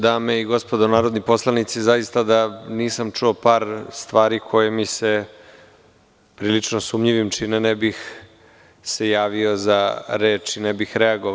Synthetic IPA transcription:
d̪aːmeiɡo̞spo̞d̪onaːɾod̪nipo̞slˠanit̪sizajist̪ad̪aniːsamt͡ʂuopaːɾst̪ʋaːɾikʰo̞jemise | pɾiːlit͡ʂnosuːmʎiʋimt͡ʃinenebix | sejaːʋio̞zaɾeːt͡ʂinebixɾeaɡo

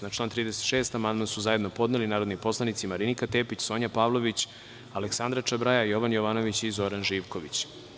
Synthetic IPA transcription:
nat͡ʃlaːnt̪ɾiːd̪e̞set̪ʃeːst̪amand̪mansuzaje̞d̪no̞po̞d̪nelinaːɾod̪nipo̞slˠanit̪simaɾinikat̪e̞ːpit͡ɕso̞ɲapaːʋlo̞ʋit͡ɕ | aleksand̪ɾat͡ʃabɾajajo̞ʋanjoʋaːno̞ʋit͡ɕizo̞ɾanʒiːʋkoʋit͡ɕ

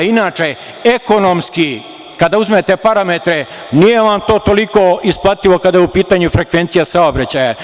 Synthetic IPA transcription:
inaːt͡ʃe̞ | eko̞nomski | kad̪auzmet̪e̞paɾamet̪ɾe | nijeʋamt̪o̞ːt̪oliko̞isplˠat̪ilokad̪ajeupiːt̪aːɲufɾekʋe̞nt̪sijasaobɾat͡ɕaːja

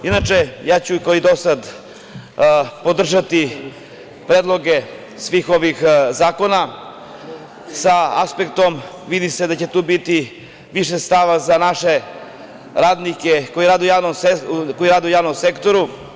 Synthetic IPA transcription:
inat͡ʃejaːt͡ɕukaoid̪osad̪ | po̞d̪r̩ʒat̪i | pɾeːd̪lˠo̞ɡe̞ | sʋiːxo̞ʋixzaːko̞na | saaspe̞kt̪o̞mʋid̪ised̪at͡ɕet̪uːbit̪i | ʋiʃest̪aʋazanaʃe̞ | ɾaːd̪nikeko̞jiɾaːd̪eujaːʋnomekojiɾaːd̪eujaːʋnomsekt̪o̞ɾu

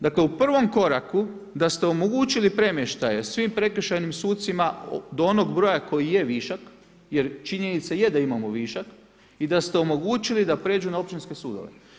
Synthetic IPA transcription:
d̪akle̞upr̩ʋo̞mko̞ɾaku | d̪ast̪e̞o̞moɡuːt͡ʃilipɾe̞mjeʃt̪aje̞sʋimpɾe̞kɾ̩ʃajnimsuːt̪simad̪oo̞no̞ɡbɾo̞ːjako̞jijeʋiːʃak | je̞ɾt͡ʃiɲe̞nit̪sajed̪aimamoʋiːʃak | id̪ast̪eo̞mo̞ɡuːt͡ʃilid̪apɾe̞ːd͡ʒunao̞p̚t͡ʃinske̞suːd̪o̞̰ʋe̞̰

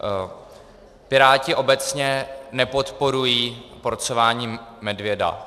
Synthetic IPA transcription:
pɪɾaːcɪʔo̞bɛt͡sɲɛnɛpo̞t̪po̞ɾujiːpoɾt͡sovaːɲiːmɛdvjɛda̰

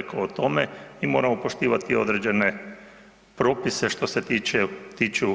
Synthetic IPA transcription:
kaot̪o̞meimo̞ːɾamopo̞ʃt̪iːʋat̪io̞̰d̪ɾed͡ʑe̞ne̞ | pɾo̞ːpise̞ʃt̪o̞seiet̪it͡ʃu

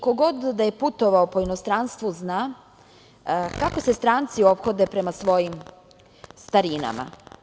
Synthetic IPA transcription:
ko̞ɡo̞d̪d̪aje̞put̪o̞ʋaopo̞inost̪ɾanst̪ʋuznaː | kako̞se̞st̪ɾaːnt̪sio̞pxo̞d̪epɾe̞masʋo̞jim | st̪aɾina̰ma̰

